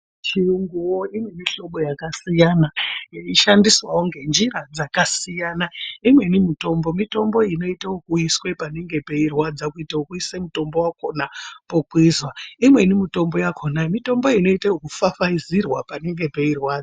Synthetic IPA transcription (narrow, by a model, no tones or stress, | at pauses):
t͡ʃiuŋɡuwoimweniʃo̞ɓo̞jakasijanaiʃandiswaoŋɡe̞nd͡ʒiɾad͡zakasijanaimwe̞nimito̞mbo̞mito̞mbo̞ino̞itawokuiswe̞pane̞ŋɡe̞pe̞irwad͡zakuitaokuisemuto̞mbo̞wako̞napokwizwaimwe̞nimito̞mbo̞jakʰo̞namito̞mbo̞ino̞itaokufafaizirwapane̞ŋɡe̞pe̞irwaːd͡za